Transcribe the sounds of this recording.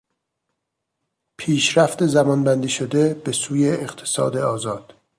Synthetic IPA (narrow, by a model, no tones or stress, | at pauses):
pʰiːʃɾæft̪ezæmɒːnbænd̪iːʃod̪e̞b̥esuːjeːqt̪ʰe̥sɒ̰ːd̪eɒːzɒːd̪̥